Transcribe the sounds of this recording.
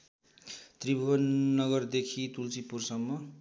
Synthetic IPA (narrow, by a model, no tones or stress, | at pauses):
t̪ribʱuʌnːʌɡʌrd̪ekʰit̪ult͡sipursʌŋːʌ